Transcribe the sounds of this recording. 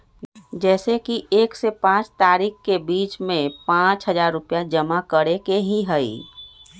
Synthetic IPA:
d͡ʒɛːsekieːksepãːt͡ʃt̪aːɾiːxkebiːt͡ʃmẽpãːt͡ʃɦəzaːɾːʊpjad͡ʒəmakəɾekeɦiɦəḭ

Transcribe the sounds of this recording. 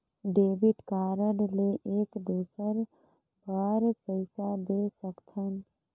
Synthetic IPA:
ɖeːbiʈkaːɾəɖleʔeːkd̪osəɾ | bʱaɾpəɪsad̪esəkt̪ʰən

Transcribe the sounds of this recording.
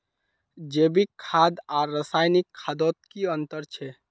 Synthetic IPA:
d͡ʒebikʰːad̪aɾːəsajnikʰːad̪ɔt̪̚kiənt̪əɾt͡ʃʰɛ

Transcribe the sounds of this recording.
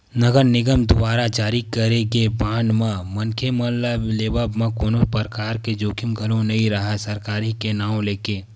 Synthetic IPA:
nɐɡəɾnɪɡəmd̪ʊaːɾad͡ʒaːɾikəɾeɡebãːɳɖmãmɐnkʰemɐ̃ləbleːbəbmãkoːnopəɾkaːɾked͡ʒoːkʰɪmɡʱəlõnɐĩɾɐɦasɐɾkaːɾikenaːwleːkeː

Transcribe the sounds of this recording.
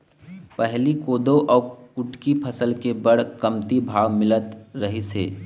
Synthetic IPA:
pɛɦlikoːd̪oʔɔːɾkʊʈkipʰɐsəlkebəɽ̤kɐmt̪ibʱaːwmɪlət̪ɾɐɦisḛː

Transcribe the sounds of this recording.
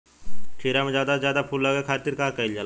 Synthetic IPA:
kʰiɾamed͡ʑjad̪ad͡ʑjad̪afuːlːaɡakʰat̪iːɾkaːkaild͡ʑala

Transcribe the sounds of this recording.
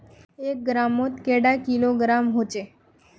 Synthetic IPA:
ek̚ɡɾamːot̪keɽakiloɡɾamɦot͡ʃe

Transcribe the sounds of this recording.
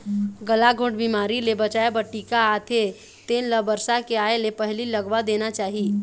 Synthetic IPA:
ɡəlaɡʱõːʈbimaːɾilebət͡ʃaːebəʈːikaːt̪ʰe | t̪eːnləbəɾsakeaːelepəɦliləɡʋad̪eːnat͡ʃaːɦi

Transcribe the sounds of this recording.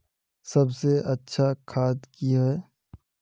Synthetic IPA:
sɐbseʔɐtːʃʰakʰaːt̪kiaɦɛː

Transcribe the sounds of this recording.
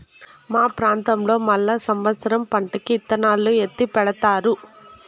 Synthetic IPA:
maːpɾaːnt̪ɐmlo̞ːmɐlːɐsɐmʋɐt̪sɐɾɐmpɐɳʈɐkiːt̪ːɐnaːlːuet̪ːipɛɽɐt̪aːɾu

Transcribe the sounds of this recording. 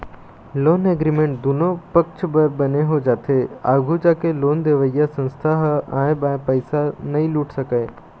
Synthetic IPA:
loːneːɡɾiːmẽɳʈ̚d̪unõpəkt͡ʃʰbəɾbɐneɦod͡ʒaːt̪ʰeaːɡʱud͡ʒaːkeloːnd̪eːʋəijasə̃nst̪ʰaɦã̰ːẽbãːpəɪsanɐĩluːʈsəkə

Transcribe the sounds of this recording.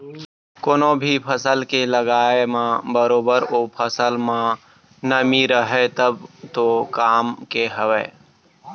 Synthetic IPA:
koːnobʱipʰəsəlkeləɡaːemãbəɾoːbəɾoːpʰəsəlmã | nəmiɾəɦet̪əbt̪okaːmkeɦəwḛː

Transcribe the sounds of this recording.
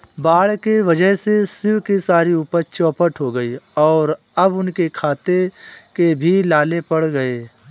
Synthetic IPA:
baːɽkeʋɐd͡ʒəɦsesɪɾʋkisaːɾiuːpəɾt͡ʃɔːpəʈɦoɡɐiːɔːɾ | ɐbʊnkekʰaːt̪e | kebʱilaːlepɐɽɡɐeː

